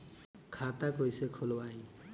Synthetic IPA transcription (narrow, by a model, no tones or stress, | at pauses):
kʰat̪akojsekʰolwaj